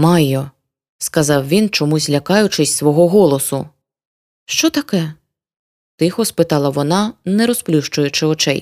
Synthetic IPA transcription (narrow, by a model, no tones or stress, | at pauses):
mɑjːɔ | skɐzɑwʋʲint͡ʃɔmuzʲlʲɐkɑjʊt͡ʃɪsʲsʋɔɦɔɦɔlˠɔsʊ | ʃt͡ʃɔt̪ɐkɛ | t̪ɪxɔspɪt̪ɑlˠɐʋɔnɑnɛɾɔsplʲuʃt͡ʃʊjʊt͡ʃɪɔt͡ʃɛ̰j